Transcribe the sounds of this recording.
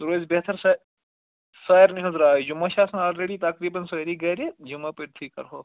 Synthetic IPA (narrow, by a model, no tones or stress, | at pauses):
ɾoːzbet̪ʰɐɾs | saːjɐɾniɦɐzɾaːd͡ʒumːɐʃaːsɐnaːlɾeɽiːt̪ɐkɾiːbɐnsɐɾiɡɐːɾed͡ʒumːɐpiʈ̚t̪ʰiːkɐ̰ɾɦoː